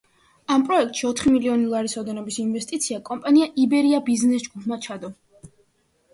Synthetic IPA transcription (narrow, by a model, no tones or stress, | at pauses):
ampʼɾɔɛk̚t̪ʼʃiɔt̪ʰχimiliɔnilˠaɾisɔd̪ɛnɔbisinvɛst̪ʼit̪sʰiakʼɔmpʼaniaʔibɛɾiabiznɛsd͡ʒɡupʰmat͡ʃʰad̪ɔ